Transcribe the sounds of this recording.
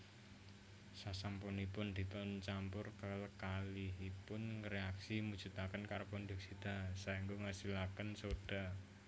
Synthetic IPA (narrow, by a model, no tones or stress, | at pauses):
sasampunipʊnd̪̥i̤t̪ɔnt͡ʃampʊrkələkalɪhipʊnŋɾeaksimud̥d͡ʒ̥ṳt̪akənkaɾopond̪ɪk̚sid̪̥a̤saiŋɡoŋasilakənsod̥a̤